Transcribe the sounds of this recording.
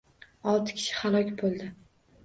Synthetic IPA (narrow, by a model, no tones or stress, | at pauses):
ɒlˠt̪ʰɪ̥kʲʰɪ̥ʃɪ̥halˠɒkʲbolˠd̪ɪ